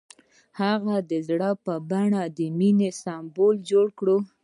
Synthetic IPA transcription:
haɣad̪əzɽəpəbaɳad̪əminesɑmbold͡ʒoɽkɽo

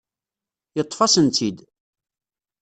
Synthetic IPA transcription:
jət̪ˤːfɑsənt̪id̪

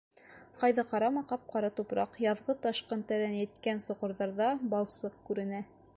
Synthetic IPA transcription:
qɑjðɑqɑɾɑmɑqɑp̚qɑɾɑt̪upɾɑqjɑðʁɤt̪ɑʃqɤnt̪æɾænjɘ̆t̪kænsŏqŏɾðɑɾðɑbɑlˠsɤq̚kʉɾɘ̆næ

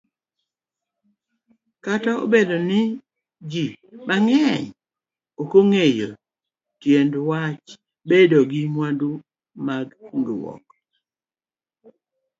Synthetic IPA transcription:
katao̰bedonɪ | d͡ʒi | maŋɛɲ | okoŋejo | tjendwat͡ʃ | bedoɡɪmwandu | maɡŋɡɪwɔ̰k

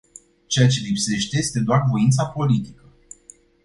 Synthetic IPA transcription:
t͡ʃe̞jat͡ʃe̞lipse̞ʃt̪e̞jest̪e̞d̪oarvo̞int̪sapo̞lit̪ikə

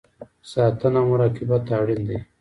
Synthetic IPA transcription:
saːt̪ɐnamuɾaːkibat̪aːɽind̪i

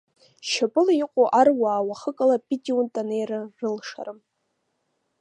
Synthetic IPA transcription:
ʃapʼɨliqʷʼoʔarwaːwaχəkʼalapʼitʼiuntʼanejrɨrɨlʂa̰rɨm

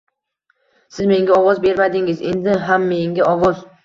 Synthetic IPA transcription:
sɪzme̞ŋɡʲaɒwɒzbe̞ɾmad̪ɪŋɪze̞̰nd̪ɪɦamːe̞ŋɡʲaʔɒvɒz̥

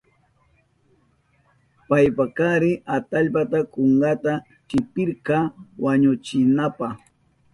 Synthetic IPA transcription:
pajpakaɾɪʔat̪aʎpat̪akoɴɢɑt̪a | kɪpɪɾkɑwaɲʊt͡ʃɪnapɑχ

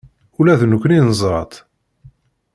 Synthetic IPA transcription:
ulæðnəkʷːninnəzˤɾˤɑ̰t̪ˤ

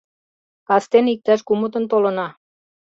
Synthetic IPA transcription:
kɑst̪enik̚t̪æʃkumət̪ə̆nt̪olə̆nɑ

